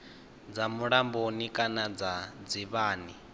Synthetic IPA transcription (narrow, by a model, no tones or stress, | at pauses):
d͡zamuɺambonikʼanad͡zad͡ziβaːni